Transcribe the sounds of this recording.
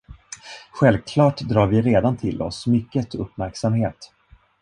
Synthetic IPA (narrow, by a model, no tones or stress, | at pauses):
ɧɛlvkʰlɑːʈd̪ɾɑːɾvɪɾeːd̪ant̪ʰɪlʔɔ̰smʏkːət̪ʰɵpːmæɾksamheːt̪